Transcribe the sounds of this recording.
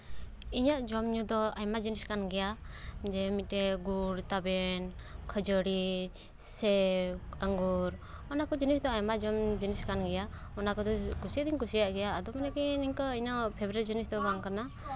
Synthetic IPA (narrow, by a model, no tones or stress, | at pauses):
iɲaʔd͡ʒɔmɲud̪ɔajmad͡ʒiniskanɡɛja | d͡ʒɛmit̪̚ɛɡuɽt̪abɛn | kʰəd͡ʒəɽi | sɛaŋɡuɾ | ɔnakɔd͡ʒinisd̪ɔajmad͡ʒɔmd͡ʒiniskanɡɛja | ɔnakɔd̪ɔkusiad̪iɲkusijaʔɡɛjaːd̪ɔmanɛkiniɲkəiɲɔpʰebɾaɾd͡ʒinisd̪ɔbaŋkana